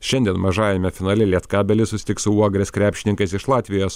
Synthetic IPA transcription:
ʃʲɛnʲd̪ʲiɛnmɐʒɑːjɛmʲɛfʲɪnɑːlʲɪlʲiɛt̪kɑːbʲɛlʲɪsʊsʲɪt̪ʲɪksʊuɔɡɾʲɛskɾʲæːpʲʃʲɪnʲɪŋkɐsɪʃlˠɑːt̪ʲʋʲɪjoːs

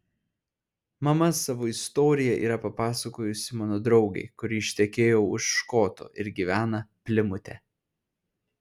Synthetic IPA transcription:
mɐmɐsɑʋoːɪst̪oːɾʲɪjɛʔḭːɾɐpɐpɑːsɐkoːjʊsʲɪmɑːnoːd̪ɾɒʊɡɐ̰ɪkʊɾʲiːɪʃʲt̪ʲɛkʲeːjoʊʃːkoːt̪o̰ɪɾɡʲiːʋʲæːnɐpʲlʲɪmʊt̪ʲɛ

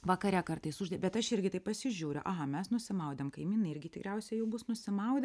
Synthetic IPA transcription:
ʋɐkɐɾʲɛkɐɾt̪ɐɪsʊʒd̪ɐbʲɛt̪ɐʃɪɾʲɡʲɪt̪ɐɪpɐsʲɪʒʲuːɾʲʊ̰ʔɐɦɐmʲɛsnʊsʲɪmɐʊd̪ʲɛmkɐɪmʲiːnɐɪɾʲɡʲɪt̪ʲɪkɾʲɛʊsʲɛjɛʊbʊsnʊsʲɪmɐʊd̪ʲ

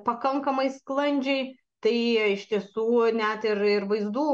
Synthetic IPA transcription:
pɐkɐŋkɐmɐɪsklˠɐnʲd͡ʒʲɛɪ | t̪ɐɪɪʃʲt̪ʲiɛsuːnʲɛt̪ɪɾɪrʋɐɪzd̪uː

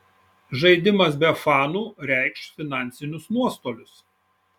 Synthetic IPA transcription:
ʒɐɪd̪ʲɪmɐsbʲɛfɑːnuːɾʲɛɪkʃfʲɪnɑˑnʲtsʲɪnʲʊsmuɔst̪oːlʲʊs

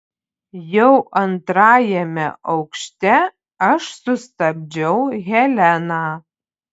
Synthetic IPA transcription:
jɛʊʔɐnt̪ɾɑːjɛmʲɛ̰ʔɐʊkʃʲt̪ʲɛ | ɐʃsʊst̪ɐbʲd͡ʒʲɛʊɣʲɛlʲænaː

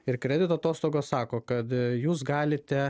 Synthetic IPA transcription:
ɪɾkɾʲɛd̪ʲɪt̪ːɐt̪oːst̪oːɡoːssɑːkoːkɐt̪juːsɡɑːlʲɪt̪ʲɛ

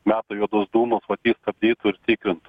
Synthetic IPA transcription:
mʲæːt̪ojuɔd̪ʊsd̪uːmɐsʋɐt̪ʲjiːst̪ɐbʲd̪ʲiːt̪ʊɪɾt̪ʲiːkɾʲɪnt̪ʊ

